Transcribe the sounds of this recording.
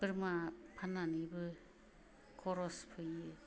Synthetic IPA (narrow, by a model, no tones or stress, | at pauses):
bɯɾmapʰananibɯ | kʰɔɾɔspʰɯjɯ